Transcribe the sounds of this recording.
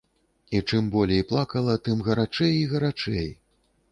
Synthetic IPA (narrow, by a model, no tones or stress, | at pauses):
it͡ʂɨmbɔlʲejplˠakɐlˠɐt̪ɨmɣɐɾat͡ʂɛjiɣɐɾat͡ʂɛj